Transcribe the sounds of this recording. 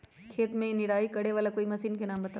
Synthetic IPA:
kʰeːt̪mẽnɪɾaːikɐɽeʋaːlakoːimɐsiːnkenaːmbɐt̪aː

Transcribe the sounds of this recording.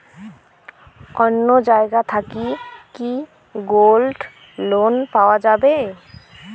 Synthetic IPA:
ɔnːod͡ʒaːeɡat̪ʰakiki | ɡoːlɖ | loːnpawad͡ʒaːbe

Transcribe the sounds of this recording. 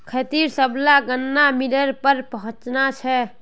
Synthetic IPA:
kʰət̪iɾsəblaɡənːamiləɾpəɾpəɦʊ̃t͡ʃnat͡ʃʰɛ

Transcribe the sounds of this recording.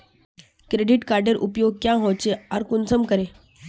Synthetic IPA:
kɾeɖiʈkaɾɖəɾʔṵpjoɡ̚kjãɦot͡ɕeaɾkunsəmkəɾe

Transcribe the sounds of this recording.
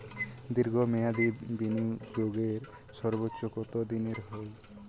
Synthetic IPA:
d̪iɾɡʱɔmɛjad̪ibiniɡeɡeɾsɔɾbotːʃokɔt̪od̪ineɾɦoj

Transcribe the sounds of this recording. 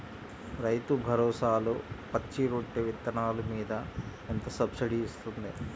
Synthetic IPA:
ɾɐjt̪ubʱɐɾɔːsaːlupɐt͡ʃːiɾoʈːeʋit̪ːɐɳaːlumiːd̪ɐ | ent̪ɐsɐbsiɖiːst̪und̪i

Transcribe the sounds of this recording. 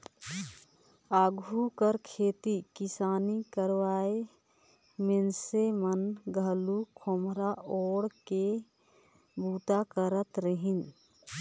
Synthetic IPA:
aɡʱukəɾkʰet̪ikisanikəɾʋae | mensemənɡʱəlukʰomɾaoɽke | but̪akəɾət̪ɾəɦin

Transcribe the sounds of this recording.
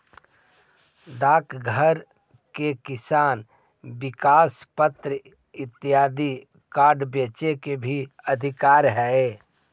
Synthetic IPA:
d̪aːkʰɡʱəɾ | kekɪsaːn | bɪkaːspət̪ɾə | ɪt̪ɪjaːd̪i | kaːɾɖbeːt͡ʃekebʱi | əd̪ʱɪkaːɾɦɛe

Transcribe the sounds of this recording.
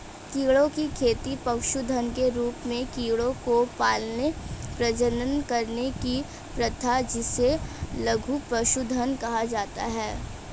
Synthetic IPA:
kiːɭõkikʰeːt̪ipɐkʃud̪ʱənkeɾuːpmẽkiːɭõkopaːlnepɾɐd͡ʒənənkɐɾneki | pɾɐt̪ʰad͡ʒɪselɐɡʱupɾɐʃud̪ʱənkɐɦad͡ʒaːt̪a̰ɦɛː

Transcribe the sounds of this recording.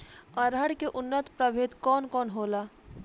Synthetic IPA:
ɐɾɦəɽkeʔʊnːət̪pɾɐbʱeːt̪kɔːnkɔːnɦoːlaː

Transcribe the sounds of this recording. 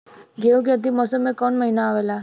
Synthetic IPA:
ɡeũkeət̪imɔsəmːẽkɔɳməinaːʋela

